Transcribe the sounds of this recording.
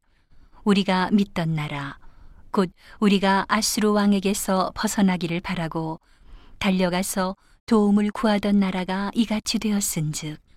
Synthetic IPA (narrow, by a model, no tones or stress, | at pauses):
uɾiɡamit̚t͈ʌnːaɾakod̚uɾiɡaʔasʰɯɾuwaŋe̞ɡe̞sʰʌpʌsʰʌnɦaɡiɾɯɭpaɾaɡo | taʎːʌɡasʰʌ | toumɯɭkuɦadʌnːaɾaɡaiɡat͡ɕʰidwe̞ʌs͈ɯnd͡ʑɯk̚